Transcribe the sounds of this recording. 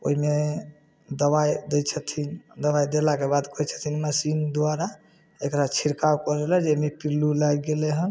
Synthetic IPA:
o̰ɦime | d̪əbajd̪ɛt͡ʃʰət̪ʰind̪əβajd̪elakebad̪kɔjt͡ʃʰə̥t̪ʰinməsind̪waɾa | ekɾat͡ʃʰiɾkawkɔɾelɛd͡ʒemepiɾlulajɡeleɦən

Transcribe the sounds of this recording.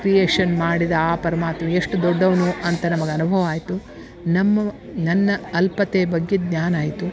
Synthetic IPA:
kɾijeːʂɐnmaːɽid̪ɐaːpɐɾɐmaːt̪mɐeʂʈud̪ɔɖːɐʋɐnuʔɐnt̪ɐnɐmɐɡeɐnubʱɐʋɐaːjt̪u | nɐmːɐ | nɐnːɐɐlpɐt̪eːbɐɡːed̪ɲaːnaːjit̪u

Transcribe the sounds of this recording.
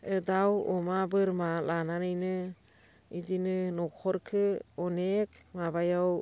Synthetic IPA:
ɯdawɔmabɯɾmalananɯjnɯ | idinɯnɔkʰɔɾkʰɯɔnek̚mabajaw

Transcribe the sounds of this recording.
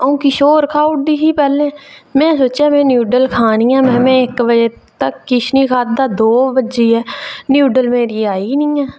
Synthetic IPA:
ũːkiːʃoːɾkʰaːʊʈ̚d̪iːsiːpɛːlẽːmɛ̃ːsoːt͡ʃaːmɛ̃ːnjuːɖəlkʰaːnĩːɛːmɛ̃ːmẽːɪkbəd͡ʒeː | t̪əkːɪʃniːkʰaːt̪̚d̪aːd̪oːbəd͡ʒeːɛːnjuːɖəlmẽːɾiːaːiːnĩːɛː

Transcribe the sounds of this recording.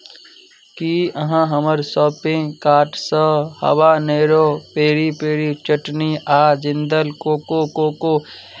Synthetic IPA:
kiːəɦãɦəməɾsɔːpɪ̃ŋɡkaːʈsəhɐ̰waːneːɾoːpeːɾipeːɽit͡ʃəʈniʔaːd͡ʒɪ̃nd̪əlkoːkokoːko

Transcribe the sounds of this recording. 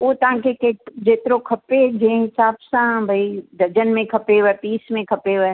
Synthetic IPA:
oːt̪ɐãkekeːʈd͡ʒeːt̪ɾõkʰɐpːed͡ʒẽːŋt͡ʃaːpsãbʱɐid̪ʱɐd͡ʒənmẽkʰɐpeʋɛːpiːsmẽkʰɐpeʋɛː

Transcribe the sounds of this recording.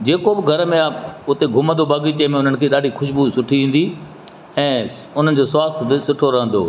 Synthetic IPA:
d͡ʑeːkobɪɡʱɐɾəmẽʊt̪eɡʱʊmə̃nd̪obaːɡit͡ɕɐmẽʊn̤ənɪ̆kʰeːɗaːɖʱixʊʃbusʊʈʰiʋĩːn̆d̪i | ɛ̃ː | ʊn̤ənɪ̆d͡ʑoːswaːst̪ʰbɪsʊʈʰoɾɐɦə̃nd̪o̰ː

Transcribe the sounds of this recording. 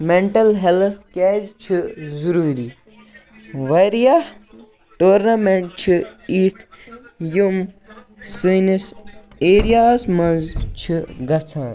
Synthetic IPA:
meɳʈɐlɦelt̪ʰkɛːzt͡ʃʰizuɾuːɾi | ʋɐɾijah | ʈoːɾnɐmeɳʈ̚t͡ʃʰiit̪ʰjum | sinis | eːɾijaːsmɐnzt͡ʃʰiɡɐt͡sʰãːn

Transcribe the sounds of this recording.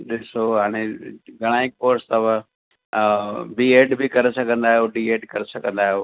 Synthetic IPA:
ɗɪsoɦaːɽ̃eɡʱɐɽ̃aːɪk̚poːɾst̪ɐʋə̃ | bieːɖbʱikɐɾsɐɡʱə̃nd̪aːijoːɖieːɖkɐɾɪsɐɡʱə̃nd̪aːɦijoː

